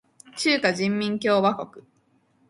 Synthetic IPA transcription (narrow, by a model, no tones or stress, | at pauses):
t͡ɕɨːkaʑĩmːʲĩŋk̬ʲo̞ːbako̞kɯ̟̥